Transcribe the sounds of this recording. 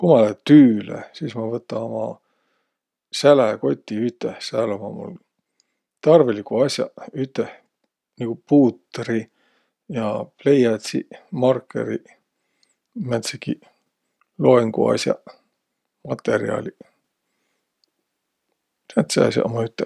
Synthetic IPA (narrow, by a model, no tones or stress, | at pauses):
kumɑlet̪yːlḛsiːsmɑvɤt̪ːˑɑomɑ̰ | sælæko̞t̪ʲːiyt̪ˑːehsælomɑmṵl | t̪ɑrvelikuɑsʲjɑ̰yt̪ːˑeh | nikupuːt̪ːri | jɑple̞jɑt̪sḭmɑrkːḛɾi | mæt̪seki | lo̞eŋɡṵɑ̰sjɑ̰ | mɑt̪ːe̞ɾḭɑ̰lʲi | æt̪seɑ̰sʲjɑ̰ʔomɑyt̪ːˑe